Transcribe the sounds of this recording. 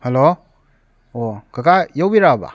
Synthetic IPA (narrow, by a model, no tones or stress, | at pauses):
helo | oɡ̥aɡajawbiɾaba̰